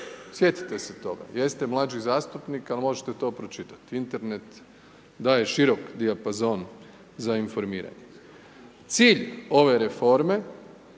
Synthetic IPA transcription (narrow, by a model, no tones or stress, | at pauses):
sje̞t̪i̥t̪eset̪o̞̰ɡa̰je̞st̪e̞mlˠaːd͡ʒizaːst̪upnikalmo̞ʒet̪e̞t̪o̞ːpɾo̞t͡ʃit̪ḁt̪iint̪e̞ɾne̞t̪ | d̪aːje̞ʃiɾo̞kd̪iapazo̞ːn | zainfo̞ɾmiːɾa̰ɲe | t̪siːʎo̞ʋe̞ɾe̞fo̞ɾme̞